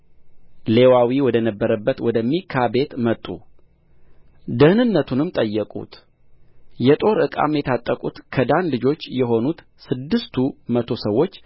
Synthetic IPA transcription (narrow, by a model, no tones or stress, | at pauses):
le̞wawiwɔd̪ənəbːəɾəbːət̪wɔd̪əmːikʰabe̞t̪mət̪ʼːṵ | d̪ɨhnɨnːət̪ʰunɨmt̪ʼəjːɛkʼṵt̪ | jɛt̪ʼo̞ɾɨkʼa̰mjɛt̪ʰat̪ʼːəkʼut̪kʰəd̪anlɨd͡ʒo̞t͡ʃːjɛɦo̞nut̪ | sɨd̪ːɨst̪ʰumət̪ʰo̞səwːo̞t͡ʃː